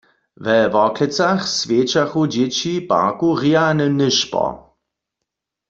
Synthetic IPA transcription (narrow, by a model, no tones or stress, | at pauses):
vɛvɔklɛt͡saxsvjeːt͡ʃaxud͡ʑet͡ɕipa̰ʁkuʁianənɪʃpɔ̰